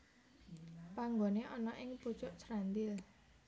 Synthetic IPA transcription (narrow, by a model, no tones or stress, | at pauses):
paŋɡoneʔɔnɔʔɪŋpu̥t͡ʃʊʔsɾand̪ɪl